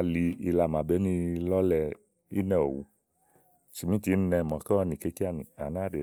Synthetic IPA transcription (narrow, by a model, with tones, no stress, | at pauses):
li˧i˧la˧˨mã˨bɛ˨˦nĩ˦lɔ˦lɛ˧ | i˦nɛ̃˦˨o̰˨wṵ˧˦ | t͡ʃi˨mĩ˦ti˨˧˦n̩˦nɛ˧˨mɔ̃˨kɔ˦ɔ˧nĩ˨ke˨˦ki˦a˧˨nĩ˨a˨nã˨˦˨de˨